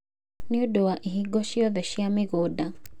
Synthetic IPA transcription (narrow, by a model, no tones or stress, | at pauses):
niodowaʔiɦĩɡɔʃiɔðɛʃiameɣodã